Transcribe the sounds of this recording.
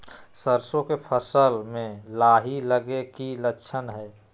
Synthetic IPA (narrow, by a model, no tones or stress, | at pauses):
səɾsõkepʰəsəlmẽlaɦiləɡekilətːt͡ʃʰənɦɛː